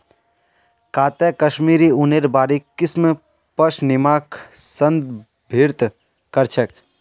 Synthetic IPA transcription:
kaːt̪ekəʃmiːɾiuneɾbaːɾikːism | pəʃnimaːksənd̪ | bʱiɾt̪ | kəɾt͡ʃʰək

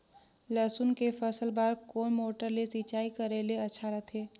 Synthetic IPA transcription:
ləsunkepʰəsəlbaɾkoːnmoːʈəɾlesit͡ʃaːikəɾeleətːʃʰaɾət̪ʰe

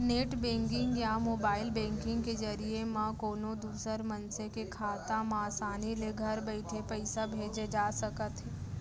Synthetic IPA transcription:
neːʈbẽːŋkɪ̃ŋɡjamoːbaːɪlbɛ̃ːŋkɪ̃ŋɡked͡ʒɐɾiemãkoːnod̪uːsəɾmɐnsekekʰaːt̪ãmãːsaːnileɡʱɐɾbɐɪʈ̪ʰepɛɪsabʱeːd͡ʒed͡ʒaːsɐkət̪ɦɛ̃ː

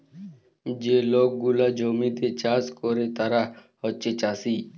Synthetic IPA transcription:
d͡ʑelok̚ɡulad͡ʒɔmit̪et͡ʃaskɔɾet̪aɾahɔːt͡ʃet͡ʃasi

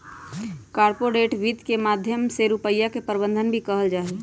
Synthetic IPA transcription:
kaːɾpoɾeʈʋid̪kemaːd̪ʱjəmseɾupəjːakepəɾbə̃nd̪ʱənbʱikəɦəld͡ʒaːɦe

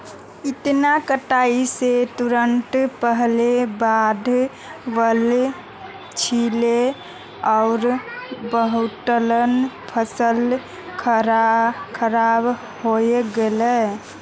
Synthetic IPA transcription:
ɪt̪nakəʈaiset̪uɾəɳʈpəɦlebad̪ʱ | ʋəl | t͡ʃʰile | ɔʊɾbəɦuʈ̪ələn | pʰəsəl | kʰ | kʰəɾab | hoeɡelɛ

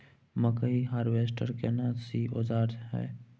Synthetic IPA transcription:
məkəiɦaːɾʋeːsʈəɾkenasiod͡ʒaːɾd̪ɦɛ̰ː

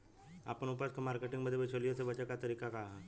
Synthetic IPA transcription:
a̰pəɳupəskamaɾkeʈĩŋməd̪ʱːjebet͡ʃʰoliəsebət͡ɕəkat̪əɾiːkakaːɦa

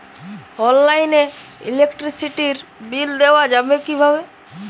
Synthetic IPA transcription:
ɔllaineḭlekʈɾisiʈiɾbild̪ewad͡ʒabekibʱabe

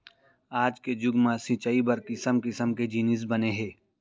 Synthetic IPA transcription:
aːd͡ʒked͡ʒʊɡmãsĩt͡ʃaibɐɾkɪsəmkɪsəmked͡ʒiːnɪs̬bɐneɦɛː

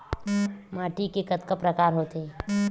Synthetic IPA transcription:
maːʈikekət̪kəpɾəkaːɾɦoːt̪eɦɛ̃

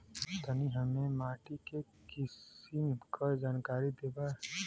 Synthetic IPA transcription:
t̪əniɦɐmẽmaːʈike | kɪsimkod͡ʒaːnkaːɾid̪eːba

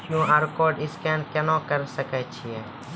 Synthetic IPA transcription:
kjũːaɾkɔːɾɖɪskɛːnkɛnãkəɾsəkɛt͡ʃʰiɛː

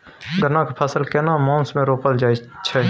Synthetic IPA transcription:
ɡənãkepʰəsəlkɛnamãːnsmẽɾoːpəld͡ʒaːit͡ʃʰɛ

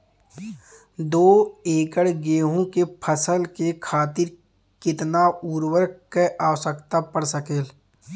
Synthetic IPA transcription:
d̪oːeːkəɽɡeːɦõkepʰəsəlkekʰaːt̪ɪɾ | kɪt̪nauːɾwəɾkeʔaːwsəkt̪apəɽsəkeːl

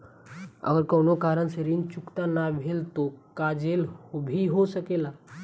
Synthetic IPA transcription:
ə̰ɡəɾkəːnokaːɾənseɾint͡ʃʊkt̪anabʱeːlt̪okad͡ʒelhobʱiɦosəkeːlaː

